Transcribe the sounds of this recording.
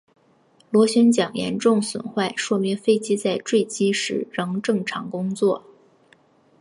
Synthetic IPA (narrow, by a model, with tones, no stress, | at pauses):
lwɔ˧˥ɕɥɛ˥nt͡ɕjɑ˨˩ŋjɛ̰˧˥nʈ͡ʂʊ˥˩ŋswə̰˨˩nxwa˥˧ɪʂwɔ˥mi˧˥ŋfe˥ɪt͡ɕi˥t͡sa˥˧ɪʈ͡ʂwe˥˩ɪt͡ɕi˥ʂɻ̩˧˥ɻɤ˧˥ŋʈ͡ʂɤ˥˩ŋʈ͡ʂʰɑ˧˥ŋkʊ˥ŋt͡swɔ˥˩